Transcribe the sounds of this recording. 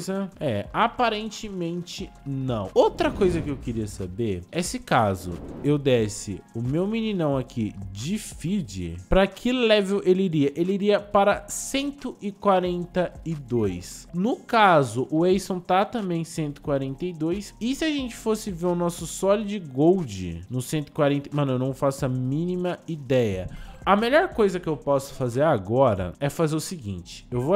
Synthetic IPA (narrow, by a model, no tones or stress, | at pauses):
jzɐɛapaɾẽnt͡ʃɪmẽnt͡ʃɪnɐ̰̃w̃owt̪ɾɐkojzɐkɪewkɪɾiɐsa̰beɾesɪkazʊ̰ewd̪ɛsɪ̰ʊmewminĩnɐ̃w̃akʰid͡ʒɪfid͡ʒɪ̰pɾɐkʰɪlɛvewʔeliɾiɐʔeliɾiɐpaɾɐsẽnt̪ʊʔɪkwaɾẽnt̪ɐɪd̪ojsnʊkazʊʔʊejsõw̃t̪at̪ɐ̃mbẽj̃sẽnt̪ʊɪ̥kwaɾẽnt̪ɐjd̪ojsɪsɪaʒẽnt͡ʃɪ̥fosɪveɾʊnɔsʊsɔlɪd͡ʒɪɡowd͡ʒɪ̰nʊsẽnt̪ʊɪ̥kwaɾẽnt̪ɐmɐ̃nʊewnɐ̃w̃fasʊɐmĩnimɐid̪ɛjɐ̰ɐmeʎɔɾkojzɐkɪewpɔsʊ̥fazeɾaɡɔɾɐ̰ɛfazeɾʊsɪɡḭ̃nt͡ʃɪ̥ewvo